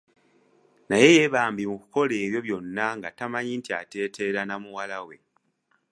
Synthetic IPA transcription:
naje̞je̞βaːmbimuku̥ko̞le̞ːβjo̞βjo̞nːaŋɡatamaɲintia̰te̞ːte̞ɾanamuwalawe̞

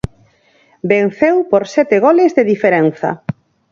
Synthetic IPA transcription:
ben̟θewpoɾsɛt̪eɣɔlezðeðifeɾɛn̟θɐ̰

